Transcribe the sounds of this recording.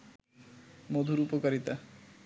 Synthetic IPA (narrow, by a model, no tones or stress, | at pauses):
mod̪ʱuɾupokaɾit̪a